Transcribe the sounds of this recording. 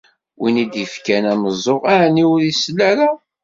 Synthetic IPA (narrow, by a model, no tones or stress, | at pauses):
winid̪ifkænæməzˤoʁaʕnːiɾislːæɾa